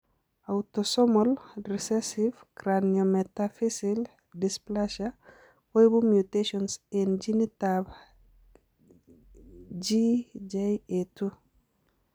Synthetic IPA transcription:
awtosɔmɔlrisesifkɾanjometafisil | displaʃa | kojbumjuteʃɔnsend͡ʒinitab | d͡ʒid͡ʒajetu

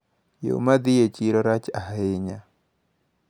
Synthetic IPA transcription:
jo̰mad̪ɪjet͡ʃiɾɔɾat͡ʃahɪɲa

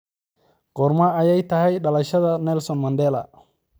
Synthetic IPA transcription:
ɡ̥oɾmaajajtahajɗalaʃadanelsonmandela̰

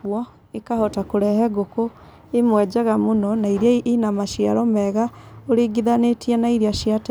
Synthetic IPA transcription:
ɔ | ekahɔtakoɾɛɦɛɡoko | emwɛd͡ʑaɣamonɔnaiɾiainamaʃiaɾɔmɛɣaoɾeɡiðanetiɛnaiɾiaʃiat

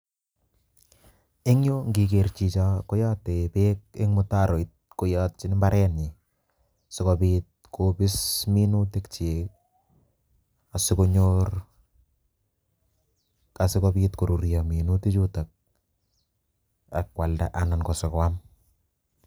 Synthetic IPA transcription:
ɪŋjoŋɡikert͡ʃit͡ʃakɔjɔːtepek̚ɪŋmʊtaɾoit̚kojɔːt̚t͡ʃɪnmbaɾʔɛnɲi | sɪkɔbiːt̚kʰobɪsminutekt͡ʃek | asɪkoɲor | kasɪkɔbiːtkoɾuɾijaminutit͡ʃutak̚ | akwalda̰ʔanankɔsɔkowam

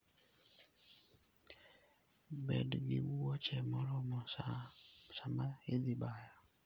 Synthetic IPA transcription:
bḛdɡɪ̰wwɔt͡ʃɛmɔɾɔmɔ | samaɪd̪ɪbaja

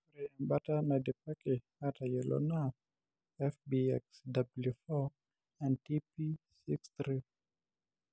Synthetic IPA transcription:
ɾiɛmbatanadɛpake | atajɛlʔɔ̰naf | ɛfbiɛksdabljufɔ | ãntipisiksθɾi

